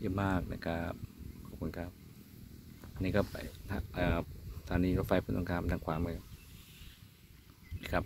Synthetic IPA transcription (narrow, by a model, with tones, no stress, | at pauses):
jəː˧˨maː˥˩k̚na̰˧˩kʰa˦˥p̚kʰɔː˧˩p̚kʰuː˧nkʰa˦˥˩p̚ | ʔa˧nːiː˧kɔː˥˩pa̰˨˩jt̪ʰa˧ʔəː˧˩t̪ʰaː˨˦niː˧˩ɾo˦˩fa˧jpʰɯ˧˥nt̪o˧ŋkaː˧m˨nda˧ŋkʰwaː˧˩ma˧˩k | na˧˥kʰa˦˥p̚